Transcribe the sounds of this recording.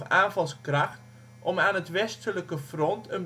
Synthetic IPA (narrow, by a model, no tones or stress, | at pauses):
aːnvɑlˠskrɑxt | ʔɔmaːnɦətʋɛstələkəfrɔntʰən